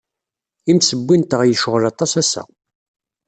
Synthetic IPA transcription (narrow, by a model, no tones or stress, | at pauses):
imsəbːint̪əʁjəʃəʁlɑt̪ˤɑsæsæ̰